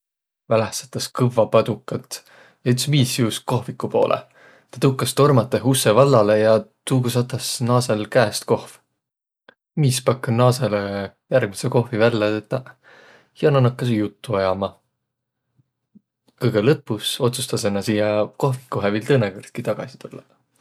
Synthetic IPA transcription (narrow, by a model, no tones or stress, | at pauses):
vælehsɑ̥t̪ːˑɑskɯvːɑpɑd̪̥ukːˑɑt̪ | jɑyt̪smiːsjuːsko̞hvikːˑupo̞̰ːlʔḛ | t̪ɑ̥t̪ukːˑɑst̪o̞rmɑt̪ːˑeɦusːe̞vɑlːɑlejɑt̪uːɡusɑt̪ːˑɑsnɑːse̞lkæːst̪ko̞hv | mispɑkːɑnɑːse̞le | jærɡ̥miseko̞hvivælːet̪et̪ːˑɑ | jɑnɑnɑkːɑs̬jut̪ːuɑjɑmɑ | kɤjɡ̥elɤpːuso̞t̪su̥st̪ɑse̞nːɑsiːjɑko̞hvi̥kːˑuɦevilt̪ɤnekort̪̚kit̪ɑɡ̥ɑ̰si̥t̪ulːɑ